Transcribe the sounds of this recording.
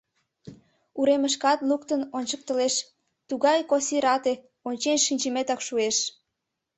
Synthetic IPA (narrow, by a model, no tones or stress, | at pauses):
uɾeməʃ̬kɑt̪lukt̪ənonʲt͡ɕək̚t̪əleʃ | t̪uɣɑjkosiɾɑt̪e | onʲt͡ɕenʃinʲt͡ɕəmet̪ɑkʃueʃ